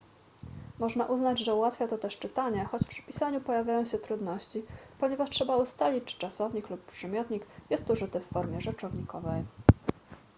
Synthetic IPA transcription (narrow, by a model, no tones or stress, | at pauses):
mɔʐnaʔuznad͡ʑʐɛuwat̪fʲjat̪ɔt̪ɛʂt͡ʂɘt̪aɲɛxɔt͡ɕpʂɘ̥pʲisaɲupɔjavʲjajɔ̃w̃ɕɛt̪ɾud̪nɔɕt͡ɕipɔɲɛvaʂtʂɛbaust̪alʲit͡ɕt͡ʂt͡ʂasɔvɲiklupːpːʂɘmʲjɔt̪ɲikjɛst̪uʐɘt̪ɘfːɔɾmʲjɛʐɛt͡ʂɔvɲikɔvɛj